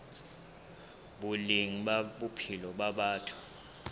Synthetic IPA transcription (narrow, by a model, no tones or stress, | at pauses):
ɓuliŋiɓaɓupʰilɔɓaɓaːtʰu̥